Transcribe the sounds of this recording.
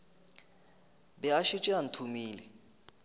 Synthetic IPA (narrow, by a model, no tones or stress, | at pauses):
bɛaʃit͡ʃʼian̩tʰumiːlɛ